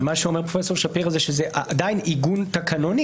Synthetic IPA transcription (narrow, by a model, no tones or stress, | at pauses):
maʃeomeʁpʁofeso̞ʁʃapiʁazeʃezeʔad̪ainiɡunt̪akanoni